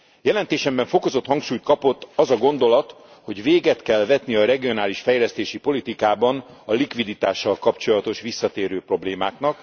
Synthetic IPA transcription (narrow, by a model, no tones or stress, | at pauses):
jɛlɛnt̪eːʃɛmbɛɱfo̞ko̞zo̞t̪hɒŋkʃuːjt̪̚kɒpo̞t̪ːɒzɒɡo̞nd̪o̞lɒt̪ | ho̞ɟveːɡɛt̪kɛlvɛt̪niɒɾɛɡio̞naːliʃfɛjlɛst̪eːʃipo̞lit̪ikaːbɒnɒlikʋid̪it̪aːʃːɒlkɒpt͡ʃo̞lɒt̪o̞ʃʋisːɒt̪eːɾøːpro̞bleːmaːknɒk